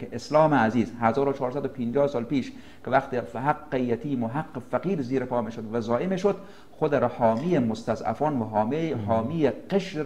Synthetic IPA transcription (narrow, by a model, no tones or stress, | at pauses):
keʔeslɒːmeæziːzɦæzɒːɾot͡ʃʰɒːɾsæd̪opʰind͡ʒɒːhsɒːlpiːʃ | kʰevæxt̪ifhaqːejæt̪ʰiːmoɦaqːefæqiːɾziːɾepʰɒːmiʃod̪væzɒːʔemeʃod̪ | xod̪eɾhɒːmijemost̪æzæ̰fɒːnvɦɒːhɒːmijeqeʃ